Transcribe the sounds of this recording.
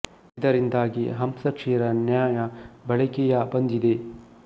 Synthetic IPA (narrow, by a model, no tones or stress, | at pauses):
id̪ɐɾind̪aːɡiɦɐmsɐkʂiːɾɐnjaːjɐbɐɭɐkijabɐnd̪id̪eː